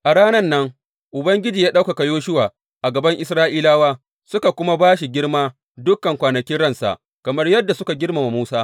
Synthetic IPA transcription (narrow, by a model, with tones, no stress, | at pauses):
ʔa˨ɽaː˦nɐ˦nːɐ˦ŋ | ʔʊ˨bɐ˦ŋɡʲɪ˦d͡ʒiː˨jaː˦ɗa˦wka˨ka˨joː˦ʃʊ˦waː˨ | ʔa˨ɡɐ˨bɐ˦ŋʔɪ˦sɾaː˦ʔiː˦laː˦waː˦ | sʊ˦ka˨kʷʊ˦ma˦baː˦ʃi˨ɡʲɪ˦rmaː˦ | dʊ˦kɐ˨ŋkʷaː˨nɐ˨kʲɪ˦nɽɐ˦nsa̰˨ʔ | kɐ˨mɐ˦rjɐ˦dːa˨sʊ˦ka˨ɡʲɪ˦rma˨ma˨muː˦saː˦